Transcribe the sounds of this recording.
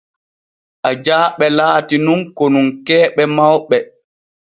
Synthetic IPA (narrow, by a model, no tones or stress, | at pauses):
ʔad͡ʒaːɓɛlaːtinunkɔnunkɛːɓɛmawɓɛ